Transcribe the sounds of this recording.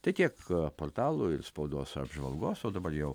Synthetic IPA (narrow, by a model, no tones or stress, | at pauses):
t̪ɐɪt̪ʲiɛkpoːrt̪ɑːlˠʊɪrspɐʊd̪oːsɐ̰bʒʋɐ̰lˠɡoːsoːd̪ɐbɐrjɛʊ